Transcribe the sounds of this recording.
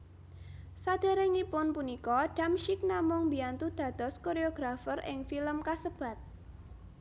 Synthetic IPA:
sad̪̥e̤ɾɛŋipʊnpunikɔɖ̥a̤mʃik̚namʊŋbiant̪ud̪̥ä̤d̪̥ɔ̤skoɾeoɡ̥ɾafərʔɪ̰ŋfiləmkasəb̥a̤t̪̚

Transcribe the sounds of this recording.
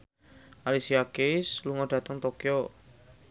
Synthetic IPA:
ʔalisiakɪsluŋɔɖ̥a̤t̪əŋt̪okio

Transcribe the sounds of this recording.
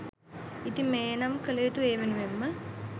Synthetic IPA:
it̪imeːnɐmkəlejt̪ueːʋenuʋemːə

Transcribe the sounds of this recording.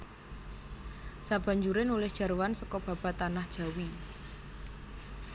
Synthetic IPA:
sab̥a̤ɲd͡ʒuɾɪnulɪhd̥ʒ̥a̤ɾuwansɔkɔb̥a̤b̥a̤t̪anahd̥ʒ̥a̤wi

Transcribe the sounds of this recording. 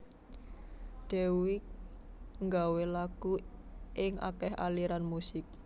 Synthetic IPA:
d̥ewɪk̚ŋɡawelakuɪŋʔa̰kɛɦa̰liɾanmusɪk̚

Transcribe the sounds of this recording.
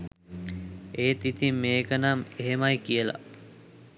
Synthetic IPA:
eːt̪it̪imːeːkənameɦemajkijəla̰

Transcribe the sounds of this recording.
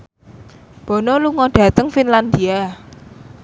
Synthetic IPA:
b̥ɔ̤nɔluŋɔɖ̥ä̤t̪əŋfinland̪ia

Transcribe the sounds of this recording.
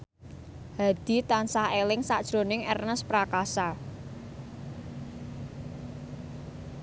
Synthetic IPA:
ha̤d̪̥i̤t̪ansahelɪŋsad̥ʒ̥ɾo̤nɪŋɛrnəspɾakasa

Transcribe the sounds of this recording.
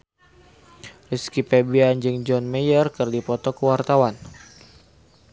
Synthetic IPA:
riskipebiand͡ʒəŋd͡ʒɔnmɛjərkərdipɔt̪ɔkəwart̪awan

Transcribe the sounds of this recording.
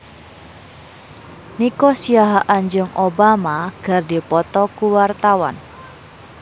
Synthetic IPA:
nikɔsiaɦaʔaɲd͡ʒʊŋʔobamaɡ̥a̤rdi̤pɔt̪ɔkuwart̪awa̰n

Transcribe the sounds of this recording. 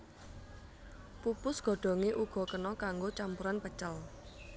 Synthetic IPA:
pupʊsɡ̥ɔ̤ɖ̥ɔ̤ŋeʔuɡ̥ɔ̤kənɔkaŋɡot͡ʃampuɾanpət͡ʃəl

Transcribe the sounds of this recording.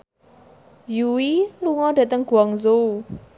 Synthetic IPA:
juwiluŋɔɖ̥ä̤t̪əŋɡ̥ṳaŋzou

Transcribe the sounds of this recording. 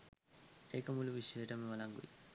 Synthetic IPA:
ekəmuluʋiʂjəʈəmeʋɐlaŋɡṵḭ

